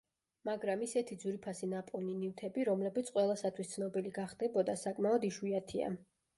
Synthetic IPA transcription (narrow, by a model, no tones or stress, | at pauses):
maɡɾamisɛt̪ʰid̪zuɾipʰasinapʼɔninivt̪ʰɛbiɾɔmlɛbit̪sʰʼqʼwɛlˠasat̪ʰwist̪sʰnɔbiliɡaχd̪ɛbɔd̪asakʼmaɔd̪iʃwiat̪ʰia̰